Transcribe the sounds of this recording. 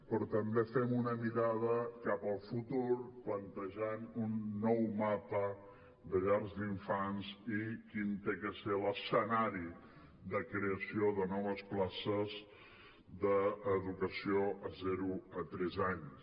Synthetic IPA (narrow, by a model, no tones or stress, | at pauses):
pɾɔt̪əmbefɛmunəmiɾað̞əkapəlˠfut̪uɾplənt̪əʒanunːɔwmapə | d̪əʎarzd̪iɱfanzikint̪ekəseləsənaɾi | ðəkɾeəsioðənɔβ̞əsplasəz | ðəːðukəsioʔəzɛɾuət̪ɾɛzaɲs